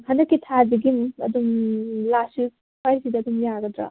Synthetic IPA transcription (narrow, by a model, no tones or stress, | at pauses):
hɐndɐkːitʰaziɡimɐ̰dumlasi | pʰajsidɐdumjaɡɐdɾa̰